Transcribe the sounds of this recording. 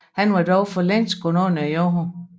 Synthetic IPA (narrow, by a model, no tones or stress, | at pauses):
hænʋɑdɒʊfɒlen̰sɡ̥ononæjoɦo